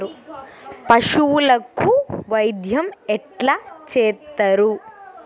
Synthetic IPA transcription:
ɾu | pɐʂuwulɐkːuʋɐjd̪ʱjɐmɛʈlaːt͡ʃeːt̪ːɐɾu

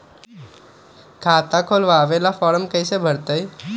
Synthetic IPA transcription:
kʰaːt̪akʰoːlʋaːʋelafɔːɾəmkəjsebʱəɽt̪əj

